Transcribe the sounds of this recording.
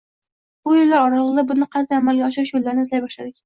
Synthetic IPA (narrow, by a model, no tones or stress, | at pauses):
b̥ʊjʊlːaɾɒɾɑlˠɨd̪abʊnɨqʰɑnt̪ajamalɡʲaɒʃɪɾɪʃjolːaɾnɪzajbɒʃlad̪ɪkʲ